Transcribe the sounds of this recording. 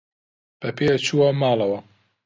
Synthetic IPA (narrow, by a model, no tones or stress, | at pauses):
b̥ɐpʰeːjɐt͡ʃʰuwɐmaːlɐwɐ